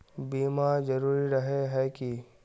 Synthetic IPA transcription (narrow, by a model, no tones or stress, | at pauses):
biːmazɐɾuːɾiɾɐɦeɦɛki